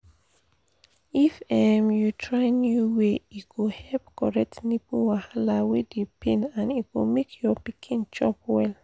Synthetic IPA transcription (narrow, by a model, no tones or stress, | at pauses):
ifɛmjutʰɹaɪnjuweikuhɛlpkʰɔɹɛk̚tnipuwahalawidipʰĩnãnit̚wṵmekʰjɔpikʰĩnt͡ʃɔp̚wɛl